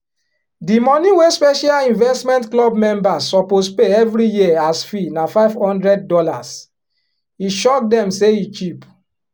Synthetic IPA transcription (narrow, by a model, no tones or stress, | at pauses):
dimɔ̃niwespɛʃalĩnvɛstmɛ̃ntklɔbmɛ̃mbasːɔpospeɛvɾijiasfinafaɪvhɔ̃ndɹɛd̚ːɔlas | iʃɔk̚dɛ̃mseit͡ʃip